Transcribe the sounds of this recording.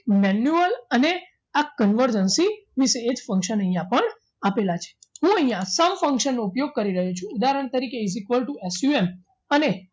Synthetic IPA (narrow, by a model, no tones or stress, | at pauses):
mɛnjuələne | akənʋəɾd͡ʒənsimiseːd͡ʒfə̃ŋkʃənəɦjãpəɳ | apelat͡ʃʰe̥ɦũəɦĩjãsəmfə̃ŋkʃənːoupjoɡ̚kəɾiɾəɦet͡ʃʰũːd̪aɾəɳ̃t̪əɾikeizikʋəlʈuesuem | əne